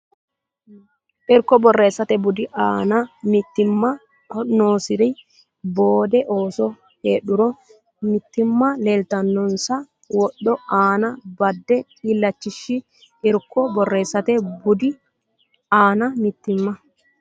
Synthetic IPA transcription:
ʔɪɾkːɔbɔrːe̞ːsːɐt̪ɛbʊd̪ɪʔaːnɐmɪt̪ːɪmːɐ | ɔnoːsɪd̪ɛ | boːd̪ɛʔo̞ːsɔ | heːɗʊɾɔ | mɪt̪ːɪmːɐleːlt̪ɐnːɔnsɐ | wɔɗːɔaːnɐbɐd̪ːɛkʼiːlːɐt͡ʃːɪʃːɪ | ʔɛɾkːɔbɔrːe̞ːsːɐt̪ɛbʊd̪ɪ | aːnɐmɪt̪ːɪmːɐ

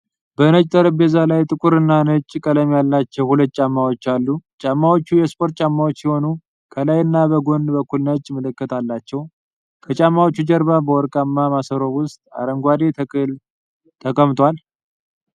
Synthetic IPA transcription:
bənət͡ʃʼt̪ʼəɾɨbezalajt̪ʼɨkʼuɾɨnːanət͡ʃʼːkʼələmjalːat͡ʃːɛwhulət̪̚ːt͡ʃʼamːawo̞t͡ʃːalːut͡ʃʼamːawo̞t͡ʃːujɛspʰʼo̞ɾt̪̚ʼt͡ʃʼamːawot͡ʃːsɪho̞nu | kʰəlajɨnːabəɡo̞nbəkːulnət͡ʃʼːmɨlɨkːət̪ʰalːat͡ʃːɛw | kʰət͡ʃʼamːawot͡ʃːud͡ʒəɾβabəwɔɾkʼamːamasəɾo̞wʊst̪ʼa̰ɾəŋɡʷad̪e̞t̪ʰəkʼɨl | t̪ʰəkʼəmt̪ʼwal

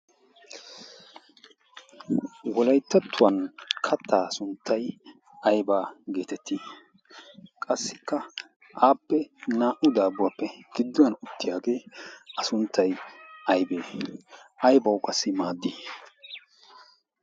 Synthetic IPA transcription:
wɔlɐjt̪ːɐt̪ʰːʊwɐnkʰɐt̪ːaːsʊnt̪ʰːɐj | ɐjbaːɡe̞ːt̪ɛt̪ʰːi | kʼɐsːɪkːɐ | ʔaːpːɛnaːʔʊd̪aːbʊwɐpːɛɡ̥ɪd̪ːʊnɐnʊt̪ːɪjaːɡe̞ːɐsʊnt̪ʰːɐjɐjbeː | ɐjbɐwkʼɐsːɪmaːd̪ːiː

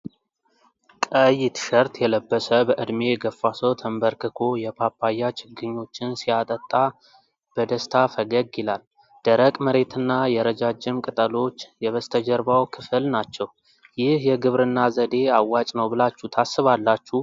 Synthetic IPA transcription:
kʼəjɪt̪ʰɨ̥ʃəɾt̪jɛləbːəsəbəʔɨd̪me̞ɡəfːasəwt̪ʰəmbəɾkʰɨkʰo̞jɛpʰapʰːajːat͡ʃʼɪɡɨɲːo̞t͡ʃːɪnsijat̪ʼət̪ʼːa | b̥əd̪əst̪ʰafəɡəɡɪlal | d̪̥əɾəkʼməɾe̞t̪ʰɨnːajɛɾəd͡ʒad͡ʒːɪmkʼɨt̪ʼəlo̞t͡ʃːjɛβəst̪ʰəd͡ʒəɾbawkʰɨfɨlnat͡ʃːɛw | jɪhjɛɡɨβɾɨnːazəd̪e̞awːat͡ʃʼnəwbɨlat͡ʃːut̪ʰasːɨβalːat͡ʃːu

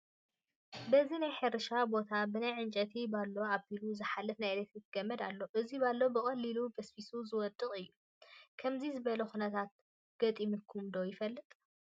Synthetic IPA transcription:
bɐzinajħɐɾɨʃabo̞t̪ʰabɨnajʕɨnt͡ʃʼɐt̪ʰibalːo̞abiluzɨħalːɐfnajlɐt̪ɨt̪ʰɨɡ̥ɐmːɐd̪alːo̞ʔɨzibalːobɨkʼɐlːilubɐsfisuzɨwɔd̪ʼɨkʼɨjːu | kʰɐmzizɨβɐlɐxunɐt̪ʰat̪̚ | ɡ̥ɐt̪ʼimɨkʰːumd̪o̞jɪfɐlːɨt̪ʼ

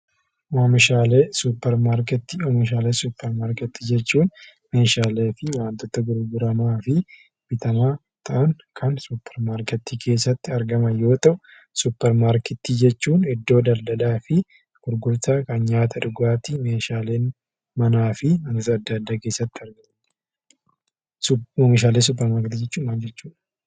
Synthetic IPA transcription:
waːmɪʃaːleːsupːɛɾmaːɾkɛt̪ːɪwaːɪʃ̬aːleːsuːpːɛɾmaːɾkɛt̪ːid͡ʒɛt͡ʃːuːn | meːʃaːleːfɪwaːnt̪ːɔt̪ɐɡʊɾɡʊɾɐmaːfɪ | bɪt̪ɐmaː | t̪ɐʔɐŋ | kʰɐnsupːɛɾmaːɾkɛt̪ːiːkʰe̞ːsːɐt̪ːɪɐɾɡɐmɐjo̞ːt̪ɐʔʊ | sʊpːɛɾmaːɾkɛt̪ːiːd͡ʒɛt͡ʃːuːnɛd̪ːo̞ːd̪ɐld̪ɐlaːfɪ | ɡ̥ʊɾɡʊɾt̪akɐnɲaːt̪ʰɐᶑʊɡaːt̪imeːʃaːleːn | mɐnaːfɪnɐnɔt̪ɐɐd̪ːaːd̪ːaːke̞ːsːɐt̪ːɪɐɾɡɐ | meʃaːlens̬ʊp̬ːɛɾmaːɾkt̪ːid͡ʒɛt͡ʃːuːnmaːld͡ʒɛt͡ʃːuːᶑ

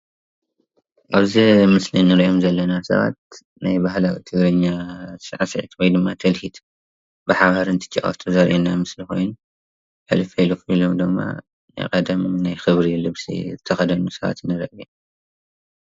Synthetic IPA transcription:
ʔaβzimɨslinːɨɾjomzɐlːɐnasɐ̰βa̰t̪̚ | najbaɦlawit̪ʰɨɡɾɨɲːasɨʕasɐʕit̪wojd̪ɨmːat̪ʰɐlhit̪ʰ | bɨħaβaɾɨnt̪ʰɨ̥t͡ʃʼːɐkʼɐ̰ft̪ʰuzɐɾʔinamɨslixo̞̰jnu | ħɨ̰lɨfɐlukilomd̪ɨmːa̰ | na̰jqʼɐd̪ɐmnajxɨβɾilɨβsḭzɨt̪ʰɐxɐd̪ɐnusɐβa̰t̪nɨɾɐʔi

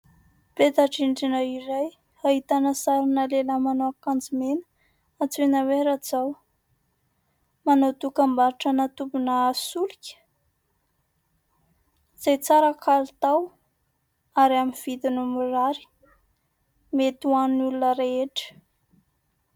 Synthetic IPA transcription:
pet̪aʈ͡ʂiɳɖ͡ʐinaiɾaj | aɦit̪anəsaɾinəleləmanoakand͡zimenə̥ | at͡sunaweɾad͡zaw | manawt̪ukambaɾiʈ͡ʂanat̪ubunasulukʲə̥ | z̥ejt͡saɾəkʰalut̪aw | aɾiaminv̥id̪inumuɾaɾi̥ | met̪uannulunəɾeeʈ͡ʂə̥

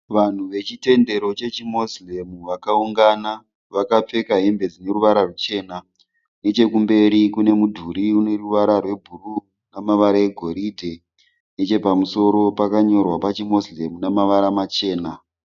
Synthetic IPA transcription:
ʋan̤uʋe̞t͡ʃite̞nde̞ɾo̞t͡ʃe̞t͡ʃimo̞slemuʋakauŋɡana | ʋakap͡fe̞kaɦembe̞d͡zine̞ɾuʋaɾarut͡ʃe̞ːna | ne̞t͡ʃe̞kumbe̞ɾikune̞mudʱuɾiune̞ruʋaɾarwe̞bʱuru | namaʋaɾae̞ɡʱo̞ɾidʱe̞ | net͡ʃe̞pamuso̞ɾo̞pakaɲo̞rwapat͡ʃimo̞slemunamaʋaɾamat͡ʃe̞ːna

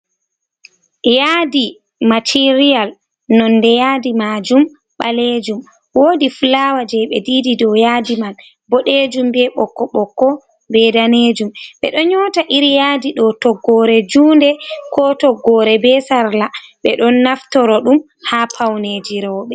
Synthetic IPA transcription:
jaːdi | matʰiɾijal | nɔndɛjaːdimad͡ʒum | ɓa̰led͡ʒum | woːdiflawad͡ʒɛɓɛdiːdidɔjadimal | bɔɗed͡ʒumbɛɓɔkːɔɓɔkːɔ | bɛdaned͡ʒumɓɛ̰ɗɔɲɔːtaʔiɾjaːdiɗɔtɔɡːɔɾɛd͡ʒuːndɛkɔtɔɡːɔɾɛbɛsaɾlaɓɛɗɔnːaftɔɾɔɗum | hapʰawned͡ʒiɾɔwɓɛ

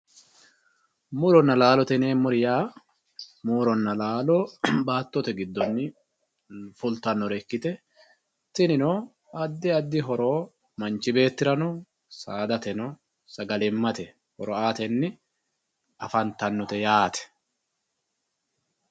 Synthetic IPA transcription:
muɾɔnːɐlaːlɔt̪ɛneːmʊɾɪjaː | muːɾɔnːɐlaːloːbaːt̪ːɔt̪ɛɡɪd̪ːɔnːɪ | fʊlt̪ɐnːɔɾɛkːɪt̪ɛ | t̪ɪnɪno | ɐd̪ːɪɐd̪ːɪɦɔɾo̞ː | mɐnt͡ʃɪbe̞ːt̪ːɪɾɐnɔ | saːd̪ɐt̪ɛnɔ | sɐɡɐlɛmːɐt̪ɛ | hɔɾɔaːt̪ɛnːɪ | ɐfɐnt̪ɐnːɔt̪ɛjaːt̪ɛ̥

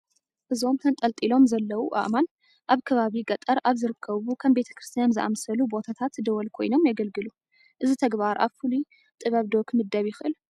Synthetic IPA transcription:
ʔɨzo̞mt̪ʰɐnt̪ʼɐlt̪ʼilo̞mzɐlːɐwuʔa̰ʔman | ʔaβkʰɐβaβiɡʼɐt̪ʼɐɾʔaβzɨɾɨkʰːɐβukʰɐmbe̞t̪ʰɐ̥kɾɨst̪ʰijanzɨʔa̰msɐlubo̞t̪ʰat̪ʰat̪d̪ɐwɔlkʰo̞̰jno̞mjaɡɐlɡɨlu | ʔɨzit̪ʰɐɡβaɾʔa̰βfulu | t̪ʼɨβɐβd̪o̞kmɨd̪ːɐβjɪxɨʔɨl

